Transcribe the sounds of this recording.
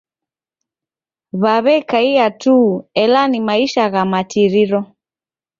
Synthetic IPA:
βaβɛkaiatuɛlanimaiʃaɣamatiɾiɾɔ

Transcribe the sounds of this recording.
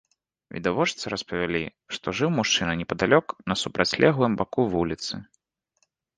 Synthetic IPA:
vʲḭd̪avɔt͡ʂt̪sɨɾɐspɐvʲalʲi | ʂt̪ɔʐɨwmuʂt͡ʂɨnɐnʲɛpɐd̪alʲɔknɐsupɾʔat͡sʲlʲɛɣvɨmbakuvulʲit̪sɨ

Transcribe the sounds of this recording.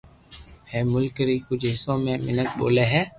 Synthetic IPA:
hɛ̃ːmʊlkɾiːkʊd͡ʒʱɦɪsõːmẽːmɪnək̚ɓo̰ːleːɦɛː

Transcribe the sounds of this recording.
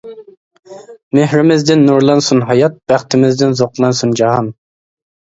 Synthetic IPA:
mehɾɪmɪzd̪ɪnːuɾlˠɑnsunɦɑjɑt̪̚b̥æχt̪ʰɪmɪzd̪ɪnzoqlˠɑnsund͡ʒɑɦɑn

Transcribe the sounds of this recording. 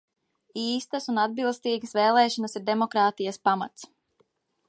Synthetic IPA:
iːst̪əsunad̪̚bilˠst̪iːɡəsveːlˠɛːʃɔnəsiɾd̪emɔkɾaːt̪ijɐspama̰t̪s

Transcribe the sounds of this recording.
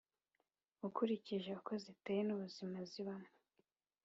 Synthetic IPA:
ukuɾiciʒeuko̞zitejenuβuzimaziβanu

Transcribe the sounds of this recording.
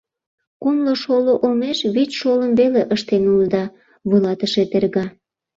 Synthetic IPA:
kumloʃoloʔomeʃβitʃoləmβeleʔəʃt̪enuld̪ɑ | βulɑt̪əʃet̪erɣɑ

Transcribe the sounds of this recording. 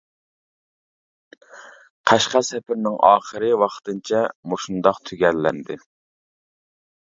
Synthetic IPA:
qʰæʃqɑsɛpʰɪɾnɪŋʔɑ̰ːχəɾɨwɑqt̪ɨnt͡ʃʰɛmoʃund̪ɑqt̪ʰyɡʲɛlːɛnd̪ɪ

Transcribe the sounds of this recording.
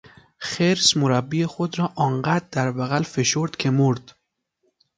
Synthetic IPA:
xeɾsmoɾabːiexod̪ɾɒːʔɒːɴɢæt̪̚d̪æɾbæɣælfeʃoɾd̪kʰemoɾd̪̥

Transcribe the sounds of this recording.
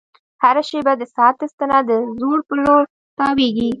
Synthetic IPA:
haɾaʃebad̪əsɑt̪ːəst̪ənad̪əzoɾpəloɾ | t̪ɑweɡi

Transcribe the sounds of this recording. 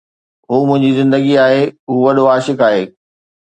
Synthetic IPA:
ɦuːmʊ̃ɦɪ̃ɲd͡ʑizɪ̃nd̪əɡiaːɦeʊɦuʋɐɗoaːʃɪkaːɦeː

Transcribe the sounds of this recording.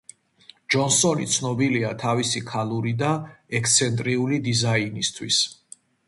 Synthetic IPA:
d͡ʒɔnsɔnit̪sʰnɔbiliat̪ʰavisikʰalˠuɾid̪aɛkʰst̪sʰɛnt̪ʼɾiulid̪izainist̪ʰwis

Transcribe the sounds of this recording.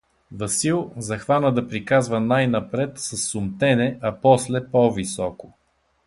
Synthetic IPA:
vɐsilˠzɐxvanəd̪ɐpɾikazvənajnɐpɾɛt̪sɐsːʊmt̪ɛnɛʔɐpɔslɛpɔvisɔkʊ

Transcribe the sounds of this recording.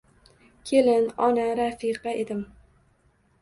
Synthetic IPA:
kʲʰelɪnɒnaɾafiqɑed̪ɪm

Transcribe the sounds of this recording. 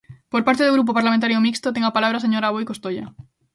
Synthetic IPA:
poɾpaɾt̪eðoɣɾup̬opaɾlamẽnt̪aɾjomikst̪ot̪̬eŋɡapalaβ̞ɾaseɲoɾaβojkost̪oʎa̰

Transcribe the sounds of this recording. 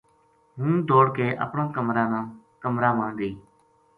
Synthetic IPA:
ɦũːd̪oːɽkeːʔə̰pɳãːkəmɾaːnãː | kəmɾãːmãːd̪eː

